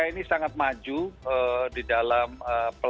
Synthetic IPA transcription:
ainisaŋat̪̚mad͡ʒuədidalaməpə

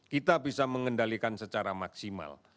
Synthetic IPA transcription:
kit̪abisaməŋəndalikansət͡ʃaɾamaksima̰l

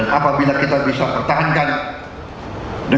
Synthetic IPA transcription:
anapabilakit̪abisapərt̪aɦankan | də

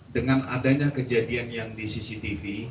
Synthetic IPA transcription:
dəŋana̰daɲakəd͡ʒadianjaŋdisisit̪ifi

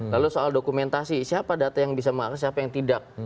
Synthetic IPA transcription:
lalusoaldokumɛnt̪asisiapadat̪ajaŋbis̬aməaksiapajaŋt̪idak̚

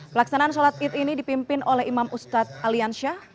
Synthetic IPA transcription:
pəlaksanaʔːns̬olat̪̚ɪt̪inidipimpɪnolɛɦimamust̪at̪̚alianʃah

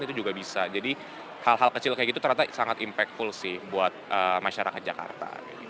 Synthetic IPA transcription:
nit̪ud͡ʒuɡabisad͡ʒadi | halɦalkət͡ʃɪlkajakit̪ut̪əɾat̪asaŋat̪impɛk̚t̪fʊlsɪhbuat̪̚əːmaʃaɾaka̰t̪̚d͡ʒaka̰rt̪a̰ḭ

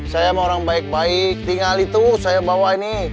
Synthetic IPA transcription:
sajamaoɾaŋbaik̚baik̚t̪iŋalit̪usajabawaini

